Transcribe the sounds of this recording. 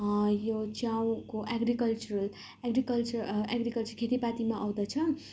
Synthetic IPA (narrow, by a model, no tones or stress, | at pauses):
jot͡sjaw̃koʔaɡrikʌlt͡ʃuɾʌl | eɡrikʌlt͡suaɡɾikʌlt͡surkʰet̪ipat̪imaʔʌw̃d̪ʌt͡sʰʌ